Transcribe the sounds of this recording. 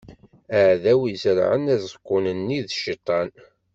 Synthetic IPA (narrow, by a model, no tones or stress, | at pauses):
əʕðæwizəɾʕə̰næzəkʷːʊnənːiðʃit̪ˤːɑn